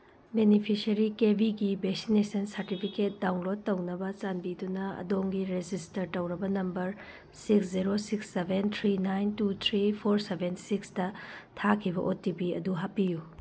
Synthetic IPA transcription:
benipʰisɐɾikebʱiɡibeksinesɐnsɐɾtipʰiket̚dawnlod̚ːɐwnɐbɐt͡ʃanbidunɐɐ̰doŋɡiɾed͡ʒistɐɾtɐwɾɐbɐnɐmbɐɾ | siksziɾosiksːebʱent̪ʰɾinajntut̪ʰɾipʰoɾsebʱensiksdɐtʰakʰibɐʔotːibiɐ̰duɦapːiju

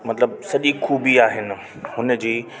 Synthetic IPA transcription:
mɐt̪ləb̚sɐʄixuːbiaːɦɪnɪ̆ | hʊnəd͡ʑiː

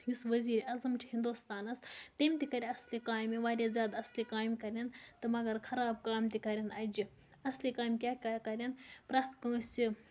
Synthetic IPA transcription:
jusʋɐziːɾɐzɐmt͡ʃʰihind̪ust̪aːnɐst̪ɐmʲt̪ikɐɾʲiɐslikaːmiʋaːɾʲazʲjaːd̪ɐslikaːmkɐɾʲjɐnt̪ɨmɐɡɐɾkʰɐɾaːb̚kaːmt̪ikɐɾʲɐnɐd͡ʒi | ɐslikaːmkʲaːkʲakɐɾʲɐnpɾaːt̪ʰkɐːsʲi

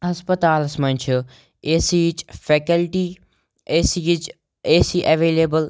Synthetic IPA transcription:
ɦɐspət̪aːlɐsmɐ̃nʲt͡ʃʰu | esit͡ʃfʰeːkəlʈiː | eːsit͡ʃ | eːsiʔɐʋeːleːbəl

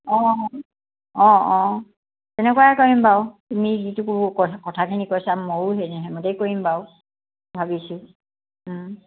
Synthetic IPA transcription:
ɔ̃ | ɔ̃ɔ̃ | tɛnɛkuwakoɹimbaʊtumizitukukɔkɔtʰakʰinikojsamːoɹɦenɛɦɛmɔtejkoɹimbaʊ | bʱabisʊ

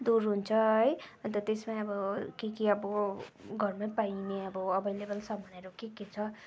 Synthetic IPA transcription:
d̪uɾɦunt͡sʰʌɦʌjʌnt̪ʌt̪esmaʌbʌkikiʌbʌɡʱʌrmãpaineʌbʌʌbʱʌjlebʌlsʌbʱʌneɾokeket͡sʰʌ

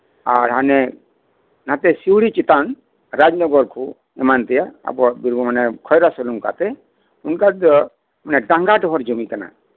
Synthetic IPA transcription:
aɾɦanɛ | nãt̪ɛsiwɽit͡ʃit̪an | ɾad͡ʒnɔɡɔɾkʰu | ɛmant̪ɛjaa̰bɔbiɾbɔmanɛkʰɔjɾasɔluŋka̰t̪ɛ | unkad̪ɔ | manɛɖãŋɡaʈɔɦɔɾd͡ʒɔmikana̰

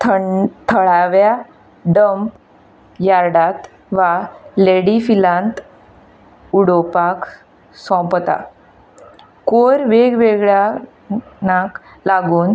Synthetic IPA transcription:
t̪ʰət̪ʰəɭaʋja | ɖəmp | jaɾɽat̪ | ʋaleɽifilãnt̪ | uɽopak | sɔ̃pt̪a̰ | koɾʋeɡʋeɡɭja | naklaɡuːn

